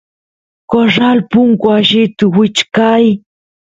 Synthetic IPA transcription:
koɾalpʊŋkʊaʃɪt̪ʊwɪt͡ʃkaj

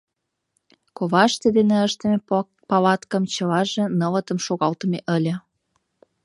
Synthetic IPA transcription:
koβɑʃt̪ed̪eneəʃt̪əme | pɑlɑt̪kəmt͡ɕəlɑʒĕnələt̪əmʃoɣɑlt̪əmeʔəlʲə̆

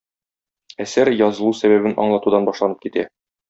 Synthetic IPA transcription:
æsæɾjɒzɤ̆lˠusæβæβɘnʔɒ̰ɴlˠɑt̪ud̪ɑnbɒʃlˠɑnɤp̚kit̪æ

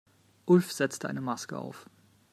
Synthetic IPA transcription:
ʔʊlfz̥ɛt͡stəʔa̰ɪnəmaskəʔa̰ʊf

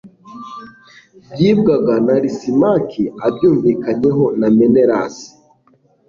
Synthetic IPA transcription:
bjiːbɡaɡanaɾisimakʰiabjuːɱviːkaɲe̞ɦo̞namene̞ɾa̰si̥

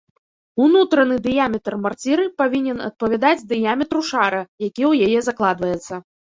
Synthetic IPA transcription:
unut̪ɾɐnɨd̪ɨjamʲɛt̪ɐrmart͡sʲiɾɨpavʲinʲɛnɐ̰t̪̚pɐvʲad̪ad͡zʲd̪ɨjamʲɛt̪ɾuʂaɾɐjakʲiwjajɛzaklˠad̪vɐjɛt̪sːɐ

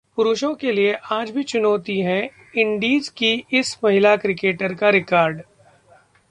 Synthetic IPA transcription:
pʊɾʊʃõkelieʔaːd͡ʒbʱit͡ʃʊnɔːt̪iɦɛ̃ | ɪ̃ɳɖiːzkiɪsmɐɦɪlakɾɪkeːʈəɾkaɾɪkaːɾɖ

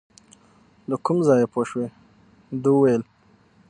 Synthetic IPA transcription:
lakumzɑjepʰoʃwe | d̪uwajəl

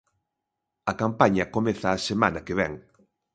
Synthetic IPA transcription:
ɐkampaɲɐkomeθaːsemanɐkeβɛ̰ŋ

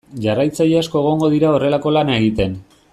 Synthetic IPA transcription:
ʝarajt͡saʎeasko̞e̞ɣ̞o̞ŋɡo̞ðiɾao̞re̞lako̞lanae̞ɣ̞it̪e̞n

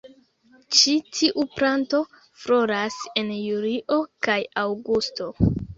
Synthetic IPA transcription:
t͡ʃitʰiʔupɾanto̞ | fɾo̞ɾase̞njuɾiʔo̞kajawɡusto̞

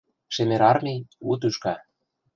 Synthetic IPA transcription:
ʃĕmeɾɑrmʲiut̪̬yʃkɑ

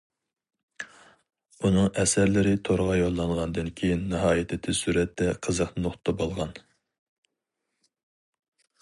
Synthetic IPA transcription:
unɨŋɛsæɾlɪɾɪt̪ʰoɾʁɑjolˠːɑɴʁɑnd̪ɨnkʲʰejinːɨɦɑːjɪt̪ʰɪt̪ʰɪsuɾɛt̪ʰːɛqʰəzəqnoχt̪t̪ʰːɑbolˠʁɑn

